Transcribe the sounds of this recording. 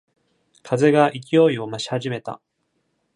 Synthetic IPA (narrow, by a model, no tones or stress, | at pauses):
kʰaze̞ɡaʔik̬ʲijo̞io̞maɕi̥haʑime̞t̪a̰